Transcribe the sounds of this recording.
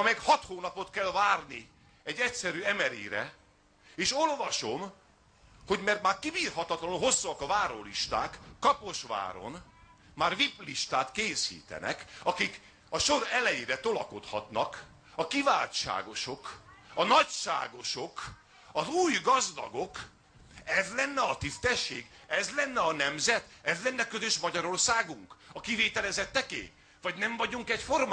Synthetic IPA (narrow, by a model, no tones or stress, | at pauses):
ɒmɛɡhɒt̪hoːnɒpo̞t̪kɛlvaːrni | ɛɟːɛcʲsɛɾyːɛmɛɾḛːɾɛ̰ | eːʃo̞lvɒʃo̞m | ho̞ɟmɛrt̪maːrkibiːrhɒt̪ɒt̪lɒnɦo̞sːuɒkɒvaːɾo̰liʃt̪aːkːɒpo̞ʃʋa̰ːɾo̞̰n | maːrvipliʃt̪aːt̪keːsḭːt̪ɛ̰nɛ̰kɒkik | ɒʃo̞ɾɛlɛjeːɾɛt̪o̞lɒko̞t̪hɒt̪nɒk | ɒkiva̰ːlʃa̰ːɡo̞ʃo̞kɒnɒcʃa̰ːɡo̞ʃo̞k | ɒzuːjɡɒzd̪ɒ̰ɡo̞k | ɛzlɛnːɛɒt̪ist̪ɛʃːḛːɡɛzlɛnːɛɒnɛmzɛt̪ɛzlɛnːɛkøzøʃmɒɟɒɾo̞rsaːɡuŋkɒkiveːt̪ɛlɛzɛt̪ːɛkḛː | vɒɟnɛɱvɒɟuŋkɛcforma